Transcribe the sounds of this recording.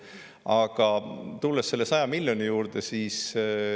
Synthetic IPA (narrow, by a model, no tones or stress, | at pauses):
ɑɡ̥ɑt̪ulːesːe̞lːe̞sɑjɑmilʲjo̞nijuːɾd̪̥e̞siːs